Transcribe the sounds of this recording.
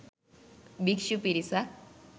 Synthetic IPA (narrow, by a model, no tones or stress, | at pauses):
bikʃupiɾisa